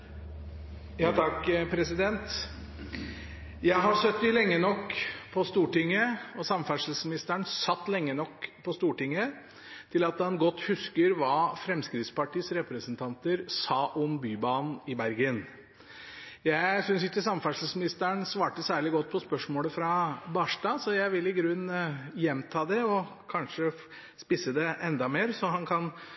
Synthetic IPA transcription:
jɑːt̪ʰɑkpʰɾɛsɪd̪ɛnt̪ | jæɪɦɑsœt̪ːɪlɛŋːənɔkpʰɔst̪uːʈɪŋːəɔsɑmfæʂl̩smɪnɪst̪æɳsɑt̪ːlɛŋːənɔkːpʰɔst̪uːʈɪŋːə | t̪ʰɪlɑt̪ɑnɡɔt̪ːhʉskəɾʋɑːfɾɛmskɾɪt̪spɑʈiːsɾɛpɾəsənt̪ʰɑnt̪əɾsɑːʔɔmbyːbɑːnn̩ɪbæɾɡən | jæɪsʏnsɪkːəsɑmfæʂl̩smɪnɪst̪əɳsʋɑːʈəsæːɭɪɡɔt̪̚ːpʰɔspœʂmoːləfɾɑbɑːʂʈɑːsɔjæɪʋɪlːɪɡɾʉnjɛmːt̪ʰɑːd̪ɛɔ | kʰɑnʂə | spɪsəd̪ɛʔɛnd̪ɑmeːɾsɔɦɑnkʰɑn

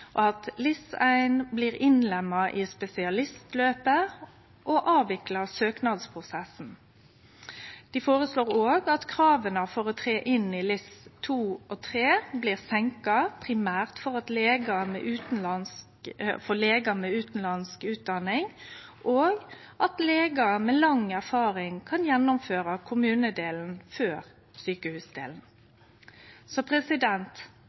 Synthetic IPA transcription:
ʔɔɑt̪lɪsæɪnbliːʁɪnlɛmːɑʔɪspɛsɪɑlɪst̪løːpə | ʔɔʔɑːʋɪklɑsøːknɑd̪spʰʁʊsɛsn̩ | d̪̥ɪfoːʁəsloːʁoːɡɑt̪kʰʁɑːʋənəfɔʁɔt̪ʰʁeːʔɪnɪlɪst̪ʰuːɔt̪ʰʁeːbliːʁsɛŋkɑpʰʁɪmæːʁt̪fɔʁɑt̪leːɡɑmɛ̰ːʔʉːt̪n̩lɑns | fɔleːɡɑmɛʉːt̪n̩lɑnskʉːt̪̚d̪ɑnɪŋ | ʔoːɡ | ʔɑt̪leːɡɑmeːlɑŋæʁfɑːʁɪŋkʰɑnjɛnːʊmføːʁɑkʰʊmʉːnəd̪eːln̩føːʁ | syːkəhʉːsd̪ḛːln̩ | sɔpʰʁɛsɪd̪ɛnt̪

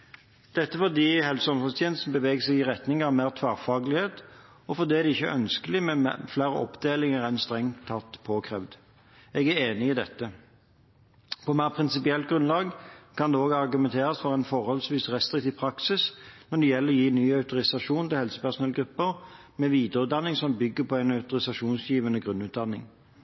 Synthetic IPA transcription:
d̪̥ɛt̪ːəfɔd̪iːhɛlsəɔmfɔst̪ʰjɛːnst̪n̩bəʋeːɡəsɛɡɪʁɛt̪nɪŋɑʋmæːʁt̪ʰʋæːʁfɑːɡlɪheːt̪ | ɔfɔd̪ɛːæd̪ɛɪçːəʔœ̰nskəlɪmɛm̰flæːʁəʔɔ̰pd̪eːlɪŋəʁæɪnst̪ʁɛŋʰːɑt̪ːpʰoːkʰʁɛʋd̪ | ɛɡæɾeːnɪɪd̪ɛt̪ːə | pʰɔmæɪʁpʰʁɪnsɪpɪɛlt̪̚ɡʁʉnlɑːɡkʰɑnd̪ɛoːɡɑʁɡʉmɛnt̪ʰeːʁɑsfɔʁæɪnfɔʁhɔlsʋiːsʁɛst̪ʁɪk̚t̪iːʋpʰɾɑksɪsnɔɖ̪ɛjɛlːəʁɔjiːnyːɑʉt̪ʊʁɪsɑʂuːnt̪ɪlhɛlsə̥pæʁʂʊnɛləɡɾʉpːəʁ | mɛʋiːd̪əʁʉt̪̚d̪ɑnːɪŋsɔmbʏɡːəpʰɔæɪnɑʉt̪ʊʁɪsɑʂuːnsjiːʋənəɡʁʉnːʉːt̪̚d̪ɑnːɪ̰ŋ

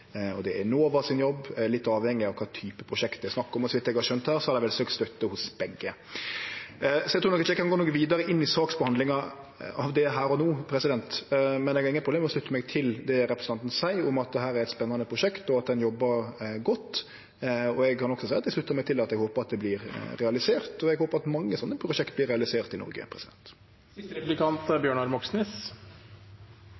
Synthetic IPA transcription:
ɔd̪ɛænoːʋɑsɪnjɔbːlɪt̪ːɑːʋhɛŋːɪɑʋkʰɑːt̪ʰyːpəpʰɾʊʂɛkt̪ɛsnɑkːʊmɔsʋɪt̪ːɛɡhɑʃœnt̪hæːɾsɔhɑd̪ɛʋɛlsøːkt̪st̪œt̪ːəhʊsb̥ɛɡːə | sɔɛt̪ʰuːnɔkːɪt̪ɛɡkʰːɑnɡoːnɔkʋiːd̪ɑɾəʔɪnːɪsɑːksbəhɑnd̪lɪŋɑ | ɑʋd̪ɛɦæːɾɔnoːpʰɾɛsɪd̪ɛnt̪mɛnɛɡhɑɪŋəpʰɾʊbleːmɛɔslʉt̪ːəmɛɡt̪ʰɪld̪ɛɾɛpʰɾəsn̩ʰɑnt̪n̩sæɪʊmɑt̪̚d̪ɛɦæːɾæɾɛt̪spɛnːɑnəpʰɾʊʃɛkt̪ɔɑt̪̚d̪ɛnjɔbːəɾɡɔt̪ː | ɔɛɡ̚kʰɑnɔksɔsæɪɑt̪d̪ɪslʉt̪ːəɾmɛɡ̚t̪ʰɪlɑt̪ɛɡhoːpəɾɑt̪̚d̪ɛblɪɾɾɛɑlɪseːɾt̪ɔɛɡhoːpəɾɑt̪mɑŋːəsɔnːəpʰɾʊʃɛkt̪̚blɪɾɛɑlɪseːɾt̪ɪnɔ̰ɾɡə̰pʰɾɛsɪd̪ɛnt̪ | lɪkʰɑnt̪əbjøːɳɑɾmɔksnɪs

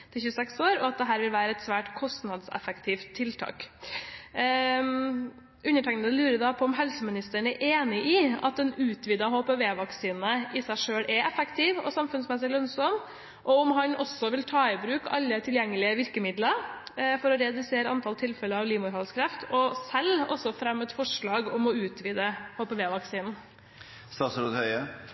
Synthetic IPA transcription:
t̪ʰɪlçʉːsɛksoːɾɔɑt̪̚d̪ɛɦæːɾʋɪlʋæːɾəɛt̪sʋæːʈkʰɔst̪nɑd̪sɛ̰fəkt̪ʰiːft̪ʰːɪlt̪ʰɑ̰ːk | ʉnːəʈʰɛŋnəlʉːɾəd̪ɑpʰɔɔmɦɛlsəmɪnɪst̪əɳ̩æɾʔeːnɪʔɪɑ̰t̪̚d̪ɛnʉːt̪ʰʋiːd̪ɑɦoːpɛʋeːʋɑksiːnəʔɪsæɪʂøːɽʔɛʔɛfəkt̪ʰɪːʋɔ̰sɑmfʉnsmɛs̬ɪlœnsɔm | ʔɔɔmɦɑnɔsːɔʋɪlt̪ʰɑːɪbɾʉːkɑ̰lːət̪ʰɪljɛŋːəlɪəʋɪɾkəmɪd̪lɑfɔɾɔɾɛd̪ʉseːɾəɑnt̪ʰɑlt̪ʰɪlfɛləɑʋliːmʊɾhɑlskʰɾɛft̪ʰɔsɛlːɔ̰sɔfɾɛmːɛt̪fɔʂɭɑːɡɔmɔʉːt̪ʰʋiːd̪əhoːpɛʋeːʋɑksiːnn̩ | st̪ɑːsɾud̪hœʏə

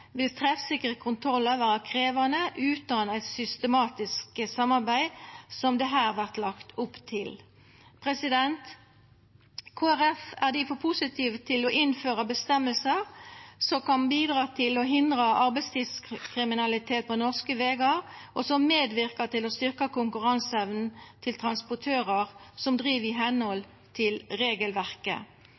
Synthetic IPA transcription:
ʋɪlt̪ʰʁɛfsɪkəʁəkʰʊnt̪ʰʁɔlːəʋæːʁɑkʰʁeːʋɑnəʔʉːt̪̚d̪ɑːnəæɪt̪sʏst̪əmɑːt̪ɪskəsɑmːɑʁbæɪsɔmd̪ɛɦæːʁʋæʁt̪lɑkt̪ʰʊpːt̪ʰɪl | pʰʁɛsɪd̪ɛnt̪ | kʰoːæʁɛfæʁd̪ɪfɔpʰʊsɪt̪ʰiːʋət̪ʰɪlɔʔɪnføːʁɑbəst̪ɛmːəlsəʁsɔkɑnbiːd̪ʁɑːt̪ʰɪlɔɦɪnd̪ʁɑʔɑʁbɛɪst̪ʰiːskʰʁɪmɪnɑlɪt̪ʰeːt̪̚pʰɔnɔʁskəʋeːɡɑʁʔɔsɔmeːd̪ʋɪʁkɑt̪ɪlɔst̪ʏʁkɑkʊŋkʉʁɑnsɛʋnn̩t̪ʰɪlt̪ʰʁɑnspɔt̪ʰøːʁəʁsɔmd̪ʁiːʋɪɦɛnhɔl | t̪ʰɪlʁeːɡəlʋæʁkə̰

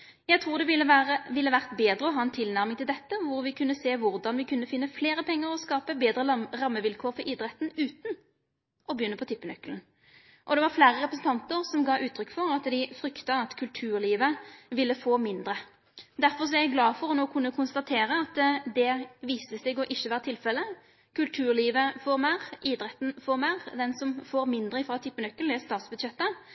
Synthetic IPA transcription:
jæɡt̪ʰʁuːʁd̪ɛʋɪəəʋɪlːəʋæʁt̪beːd̪ʁəɔɦɑːɛnt̪ʰɪlnæʁmɪŋt̪ɪld̪ɛt̪ːəʋʊɾʋɪkʰʉnːəseːʋʊʁd̪ɑnʋɪkʰʉnːəfɪnːəfleːɾəpʰɛŋːəɾɔskɑːpəbeːd̪ɾəʁɑmːəʋɪlkʰoːɾfɔɾʔɪd̪ɾɛt̪nʉːt̪n | ʔɔbəjʏnːəpʰɔt̪ʰɪpːənœkln̩ | ʔɔd̪ɛʋɑʁflæːɾəʁɛpɾəsn̩t̪ʰɑnt̪əʁsɔmɡɑːʔʉːt̪ʰːɾʏkːfɔʁɑt̪d̪ɪfɾʏkt̪ɑɑt̪kʰʉlt̪ʰʉːʁliːʋəʋɪlːəfoːmɪnd̪ɾə | d̪æɾfɔʁs̬ɔjæɡlɑːfɔʁɔnoːkʰʉnːəkʰʊnst̪ɑt̪ʰeːɾəɑt̪d̪ɛʋiːst̪əsɛɡɔʔɪçːəʋæːɾət̪ʰɪlfɛlːə | kʰʉlt̪ʰʉːʁliːʋəfɔːʁmæːʁiːd̪ɾɛt̪ːn̩fɔːʁmæːʁd̪ɛnsɔmfoːɾmɪnd̪ɾəɪfʁɑːt̪ʰɪpːənœkːəld̪ɛst̪ɑːt̪sbʉd̪ɕɛt̪ːə

